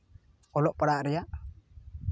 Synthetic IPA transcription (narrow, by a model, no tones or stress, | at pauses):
ɔlɔʔpaɽaʔɾijaʔ